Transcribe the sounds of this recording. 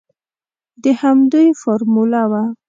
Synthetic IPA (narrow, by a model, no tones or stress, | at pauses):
d̪əhamd̪ujfoɾmulawa